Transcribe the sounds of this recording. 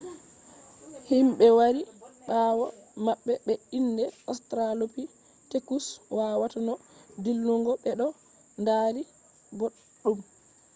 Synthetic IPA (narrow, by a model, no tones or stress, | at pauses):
himɓɛwaɾiɓaːwɔmaɓːɛɓɛinːdɛɔstɾalopi | tekuswaːwatanɔdilːuŋɡɔɓɛɗɔ | ndaːɾi | boɗːum